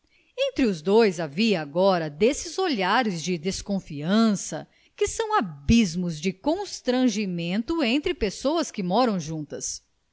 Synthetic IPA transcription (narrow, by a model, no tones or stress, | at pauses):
ẽnt̪ɾɪʊzd̪ojzaviɐːɡɔɾɐd̪esɪzoʎaɾɪzd͡ʒɪd̪eskõfiɐ̃sɐ̰ | kɪsɐ̃w̃abizmʊzd͡ʒɪkõst̪ɾɐ̃ʒimẽnt̪ʊẽt̪ɾɪpesowɐskɪmɔɾɐ̃w̃ʒũnt̪ɐs